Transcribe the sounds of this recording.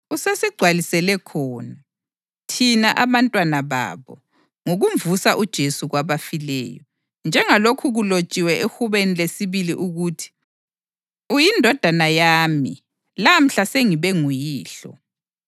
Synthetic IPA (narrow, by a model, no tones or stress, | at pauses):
usesiɡ͡ǀʱwalisɛlɛkʰɔːna | tʰinaʔaβantʼwanaβa̰βɔ̰ | ŋoɣuɱvusaʔud̥ʒ̥ʱesuɣwaβafilɛ̰ːjɔ | nd͡ʒʱɛŋalokʰuɣulot͡ʃʼiwɛʔexuβenilesiβiliʔuɣutʰi̥ | ujindʱɔd̥ʱanajaːmi | lam̩ɬaseŋiβɛŋujiːɬɔ̰